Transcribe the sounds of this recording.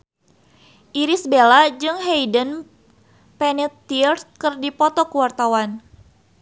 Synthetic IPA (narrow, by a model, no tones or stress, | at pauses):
ʔiɾisbelad͡ʒɨŋɦejdən | pɛnɛt̪ːirskɨrdipɔt̪ɔkuwart̪awan